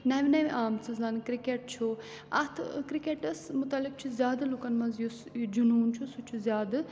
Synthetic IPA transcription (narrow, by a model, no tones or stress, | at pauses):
nɐʋnɐʋʔaːmt͡sɨzɐnkɾikeʈ̚t͡ʃʰu | ɐt̪ʰkɾikeʈɐsmʊt̪ɐlːik̚t͡ʃʰizʲjaːd̪lukɐnmɐzjusd͡ʒunuːnt͡ʃʰusut͡ʃʰuzjaːd̪ɨ